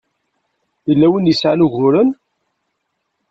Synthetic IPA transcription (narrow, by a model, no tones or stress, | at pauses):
əlːæwənjəsʕanuʝʊɾən